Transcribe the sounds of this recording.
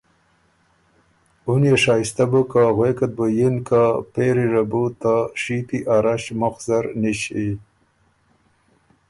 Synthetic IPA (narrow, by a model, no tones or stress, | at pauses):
unjeʂɑːist̪abukaɣwekat̪̚bojinkapeɾiʐabut̪aʂit̪iʔaɾaɕmʊxzaɾniɕi